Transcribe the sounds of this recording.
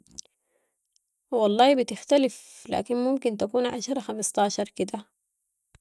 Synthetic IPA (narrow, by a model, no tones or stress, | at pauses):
wɑlˤːɑːbɪt̪ɪxt̪alɪfla̰ːkinmʊmkint̪akuːnʕa̰ʃɑɾˤɑxamɑst̪ɑːʃɑɾˤkɪd̪a